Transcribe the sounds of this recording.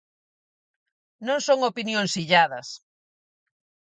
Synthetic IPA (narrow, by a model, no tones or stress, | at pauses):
nõŋsoŋopinjõŋsiʎaðɐs